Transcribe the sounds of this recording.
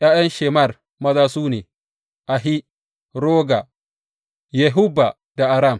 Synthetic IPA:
ʔjaː˦jɐ˦nʃe˨ma˦˨r | mɐ˦zaː˦suː˦neː˨ | ʔa˨ɦi˦ | ɾoː˦ɡa˨ | jɛ˨ɦʊ˦ba˨ | da˨ʔa˨ɾa˦˨m

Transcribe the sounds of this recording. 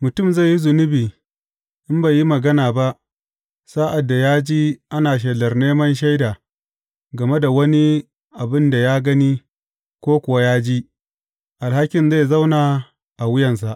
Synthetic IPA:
mʊ˨tʊ˦˨mza˦˨jːi˦zʊ˨nʊ˦biː˨ | ʔɪ˦mba˨ji˦mɐ˨ɡɐ˦naː˨ba˦ʔ | saː˦ʔa˨dːa˨jaː˦d͡ʒiː˦ʔa˦naː˨ʃ̬ɛ˨lɐ˨rneː˦mɐ˦nʃ̬a˦jdaː˨ | ɡɐ˨me˦da˨wɐ˦ni˦ | ʔa˨bɪ˦nda˨jaː˦ɡɐ˦ni˦ | kʷoː˦kʷʊ˨wa˦jaː˦d͡ʒiː˦ | ʔa˨lha˦kʲɪ˨nza˦˨jza˦wnaː˨ | ʔa˨wʊ˦jɐ˨ns̬a˨ʔ

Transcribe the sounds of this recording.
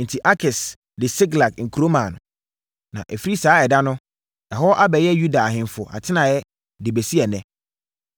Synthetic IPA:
n̩˨tʰi˨ʔa˦kʰɪ˨s | dɪ˨sɪ˦ɡla˨kŋ̩˨kʰu˨ɾo˦mã˨nʊ̰̃˨ | nã̰˨ʔɛ˨fi˦ɾi˦saː˨˦ɛ˨da˦nʊ̃˦ | ɛ˨ɦɔ˦ʔa˦bɛ˨jɛ˦ju˦da˨a˨ɦɪ̃˨n˨fʊ˨ʔa̰˨tʰɪ˦nã˨jɛ˦ | dɪ˨be˨si˦ɛ˨nɛ̃˦

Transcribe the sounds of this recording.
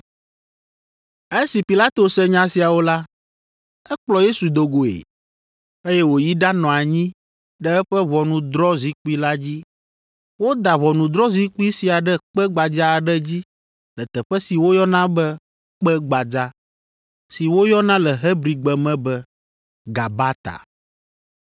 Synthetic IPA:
ɛ˦si˨pi˨la˦t̪o˨sɛ˦ɲã˦si˨a˨wo˦la˦ | ɛ˦k͡plɔ˨je˦su˨d̪o˨ɡo˨ḛ˨ | e˦jɛ˦wo˨ji˦ɖa˦nɔ̃˨a˨ɲĩ˦ | ɖɛ˦ɛ˦ɸɛ˦βɔ˨nũ˨d̪ɾɔ˦zi˦k͡pu˦i˦la˦d͡ʑi˦ | wo˦d̪a˨βɔ˨nũ˨d̪ɾɔ˦zi˦k͡pu˦i˦si˨a˨ɖɛ˦k͡pɛ˦ɡ͡ba˨d͡ʒa˦a˨ɖɛ˦d͡ʑi˦ | lɛ˨t̪ɛ˨ɸɛ˦si˨wo˦jɔ˦nã˦bɛ˦ | k͡pɛ˦ɡ͡ba˨d͡ʒa˦ | si˨wo˦jɔ˦nã˦lɛ˨ɦɛ˦bɾi˨ɡ͡bɛ˨mɛ̃˦bɛ˦ | ɡa˨ba˦t̪a̰˨

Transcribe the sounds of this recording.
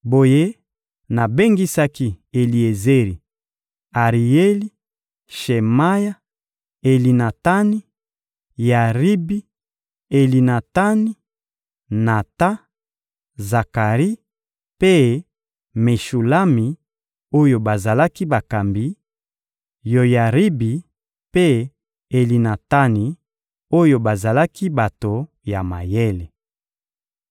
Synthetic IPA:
bo˨je˦ | na˨be˦ŋɡi˦sa˦ki˦e˨li˨e˨ze˦ʁi˨ | a˨ʁi˨e˦li˦ | ʃe˨ma˦ja˦ | e˨li˨na˨ta˦ni˦ | ja˨ʁi˦bi˦ | e˨li˨na˨ta˦ni˦ | na˨ta˦ | za˨ka˨ʁi˦ | pe˦ | me˨ʃu˨la˦mi˨ | o˦jo˨ba˨za˨la˦ki˦ba˨ka˨mbi˦ | jo˨ja˨ʁi˦bi˨ | pe˦ | e˨li˨na˨ta˦ni˨ | o˦jo˨ba˨za˨la˦ki˦ba˨to˨ | ja˨ma̰˨je˦le˨

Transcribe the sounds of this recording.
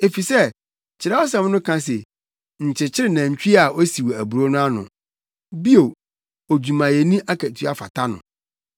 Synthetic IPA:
e˨fi˨sɛ˦ | t͡ɕʰɪ˨ɾɛ˦wɔ˦s̬ã˦m˦nʊ̃˦kʰã˦s̬e˨ | ɲ̩˨t͡ɕʰɪ˨t͡ɕʰɪ˦ɾɪ˦˨nã˨ɲ̩˨t͡ɕᶣi˦a˨o˦si˨wæ˨bu˨ɾo˦nʊ̃˦a˦nʊ̃˨ | bi˦o˨ | o˨d͡ʑᶣu˨mã˨jɛ˨nĩ˦ʔa˦kʰæ˨tʰɥa˨fa̰˨tʰa˦nʊ̰̃˨

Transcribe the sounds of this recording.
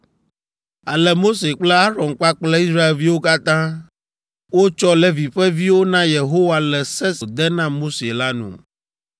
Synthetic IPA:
a˨lɛ˨mo˦se˨k͡plɛ˦a˦ɾɔ̃˨nk͡pa˦k͡plɛ˦i˦sɾa˦e˨lvi˦wo˦ka˦t̪ã˦ | wo˦t͡ʃɔ˦lɛ˦vi˨ɸɛ˦vi˦wo˦nã˦je˨ɦo˦wa˨lɛ˨sɛ˦so˨d̪ɛ˦nã˦mo˦se˨la˦nṵ̃˨

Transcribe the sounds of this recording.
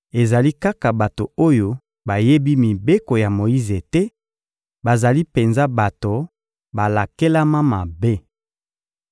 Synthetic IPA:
e˨za˨li˦ka˦ka˨ba˨to˨o˦jo˦ | ba˨je˦bi˦mi˨be˦ko˨ja˨mo˨ji˦ze˨tɛ˦ | ba˨za˨li˦pe˨nza˦ba˨to˨ | ba˨la˨ke˦la˦ma˦ma˨be˦

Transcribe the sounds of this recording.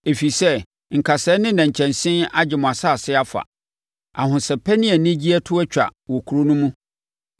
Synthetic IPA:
e˨fi˨sɛ˦ | ŋ̩˨kʰa˨sɛ˨˦nɪ̃˦nã˨ɲ˨t͡ɕʰɛ̃˨nsɪ̃˦na˦d͡ʑɪ˨mʊ̃˨a˨sa˦˨sɪ˦a˦fa̰˨ | a̰˨ɦʊ̃˨sɛ˨pʰɛ˦nɪ̃˦ɛ˨nɪ̃˦d͡ʑi˦ɛ˦tʰʊ˦ɛ˦t͡ɕᶣa̰˨wɔ˨kʰu˨ɾo˦nʊ̃˦mũ˦

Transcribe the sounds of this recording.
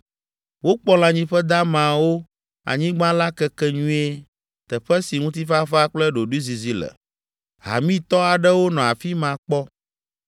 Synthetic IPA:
wo˦k͡pɔ˦l̃ã˨ɲĩ˦ɸɛ˦d̪a˦mã˨wo˦ | a̰˨ɲĩ˦ɡ͡bã˦la˦kɛ˦kɛ˦ɲũ˦e˦ | t̪ɛ˨ɸɛ˦si˨ŋũ˦t̪̬i˦fa˦fa˦k͡plɛ˦ɖo˨ɖu˦zi˨zi˦lɛ̰˨ | ɦa̰˨mĩ˦t̪ɔ˦a˨ɖɛ˦wo˦nɔ̃˨a˨fi˦mã˨k͡pɔ˦

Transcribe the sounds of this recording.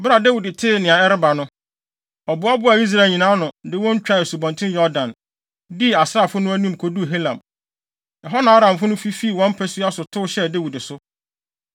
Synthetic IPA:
bɾa˨da˦wi˨dɪ˨tʰɪː˦˨nɪ̃˨a˨ɛ˦ɾɪ˦ba˨nʊ̃˦ | ɔ˨bʊ˨˦a˦bʊ˦a˨i˦s̬ɾa˨ɲĩ˨nãː˨˦nʊ̃˨dɪ˦wɔ̃˦ɲ̩˦t͡ɕᶣa˦ɪ˨su˨bɔ̃˨ntʰɪ̃˦njɔ˦dã˨n | di˦a˨sɾa˦˨fʊ˦nʊ̃˦æ˦nũ˦˨m˨kʰo˨du˦˨ɦe˦lã˨m | ɛ˨ɦɔ˦nãː˨˦ɾã˨mfʊ̃˦nʊ̃˦fi˦fi˦˨wɔ̃˦m̩˦pʰɛ˦su˦a˦sʊ˨tʰʊ˦ɕɛ˦de˦wi˨dɪ˨sʊ˦

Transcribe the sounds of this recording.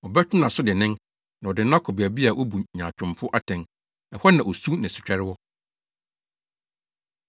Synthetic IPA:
ɔ˨bɛ˦t͡ɕᶣʊ˦nã˨sʊ˦dɪ˨nɪ̃˦n | nã˨ɔ˨dɪ˨n˦ã˦kʰɔ˨bæ˨bi˦a˨ʔo˦bu˨ɲãː˨t͡ɕʰᶣʊ̃˨mfʊ˦ʔa˦tʰɛ̃˨n | ɛ˨hɔ˦nã˨ʔo˨su˦nɪ̃˨sʊ˨t͡ɕᶣɛ˦ɾɪ˦wɔ˦

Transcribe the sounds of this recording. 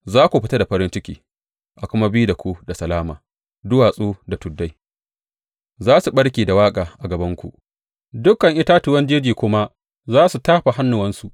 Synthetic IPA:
zaː˦kʷu˨ɸɪ˦ta˦da˨ɸɐ˦ɾɪ˦nt͡ʃɪ˦kʲiː˨ | ʔa˨kʷʊ˦ma˦bi˦da˨kʷu˦da˨sɐ˨laː˦ma̰ː˨ | dʊ˦waː˨sʼuː˦da˨tʊ˨dːa˦j | zaː˦su˨ɓɐ˦ɽkʲiː˨da˨waː˦kʼaː˨ʔa˨ɡɐ˨bɐ˦ŋkʷṵ˨ | dʊ˦kɐ˨ŋʔɪ˦taː˦tʊ˨wɐ˦nd͡ʒeː˦d͡ʒiː˨kʷʊ˦ma˦ | zaː˦su˨taː˦ɸa˨ɦa˦nːʊ˨wɐ˦nsu˨ʔ

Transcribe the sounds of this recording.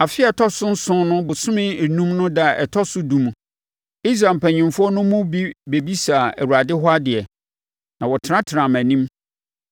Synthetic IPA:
a˨fɪ˦ɛ˨tʰɔ˦sʊ̃˦n̩˦sʊ̃˦nʊ̃˦bʊ˨sʊ̃˦mɪ̃˦˨nũ˦mnʊ̃˦da˦˨ɛ˨tʰɔ˦sʊ˦dũ˨m˨ | i˦s̬ɾa˨m̩˨pʰæ̃˨ɲĩ˨mfʊ˦ɔ˦nʊ̃˦mʊ̃˦bi˦be˨bi˦sa˨æ˨wu˨ɾa˨dɪ˦ɦɔ˦a˦dɪ˨ɛ˨ | nã˨wɔ˨tʰɪ˨ɾã˦tʰɪ˨ɾã˨mæ̃˨nĩ˦m

